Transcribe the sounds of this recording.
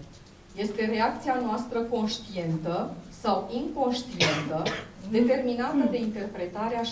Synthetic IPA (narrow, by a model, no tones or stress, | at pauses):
je̞st̪e̞re̞ak̚t̪sianoast̪ɾəko̞nʃt̪ie̞nt̪əsawiŋko̞nʃt̪ie̞nt̪əd̪e̞t̪e̞rminat̪əd̪e̞int̪e̞rpɾe̞t̪aɾea